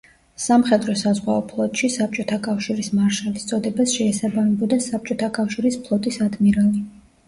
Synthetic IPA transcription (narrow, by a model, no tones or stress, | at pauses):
samχɛd̪ɾɔsazʁwaɔpʰlˠɔt̪ʼʃisap̚t͡ʃʼɔt̪ʰakʼafʃiɾismaɾʃɛvist̪sʼɔd̪ɛbasʃɛːsabamɛbɔd̪asap̚t͡ʃʼɔt̪ʰakʼafʃiɾispʰlˠɔt̪ʼisad̪miɾali